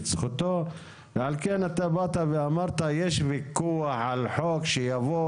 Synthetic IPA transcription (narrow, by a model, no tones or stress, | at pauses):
t͡sχut̪o | veʕalkenat̪abat̪aveamaʁt̪ajeʃvikuaħʕalħokʃejavo